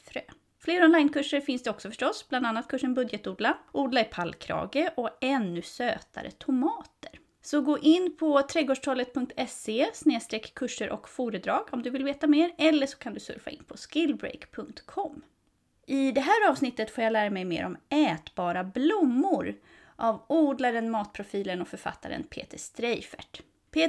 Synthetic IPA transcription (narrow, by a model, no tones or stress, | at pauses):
fɾøː | fleːɾɔnlajnkʰɵʂːəɾfɪnsd̪ɛɔksɔfœ̥ʂʈɔsbland̪anːat̪̚kʰɵʂənbɵd̪jɛt̪uːd̪laʔuːd̪laɾɪpʰalkʰɾɑ̰ːɡəʔɔɛnːɵsøːt̪a̰ɾə̰t̪ʰʊmɑːt̪əɾ | sɔɡoːʔɪnːpʰɔt̪ʰɾɛɡoːʂʈʰɔːlət̪̚pʰɵŋk̚t̪ʰɛsesneːst̪ɾɛkʰːɵʂəɾʔɔkfuːɾəd̪ɾɑːɡɔmd̪ɵvɪlveːt̪ameːɾɛlːəʂɔ̥kʰand̪ɵsɵ̰ɾfa̰ʔɪ̰npʰɔskɪlbɾɛ̰jkpʰɵŋk̚t̪kʰɔmː | ʔɪd̪ɛɦæːɾɑːvsnɪt̪ːət̪foːɾjalæːɾamɛjmḛːɾʔɔmɛːt̪bɑːɾablʊmːʊɾ | ʔavuːd̪laɾənmɑːt̪̚pʰɾʊfiːlənɔfœɾfa̰t̪ʰːa̰ɾə̰npʰḛːt̪əʂt̪ɾɛjfæ̰ʈ | pʰː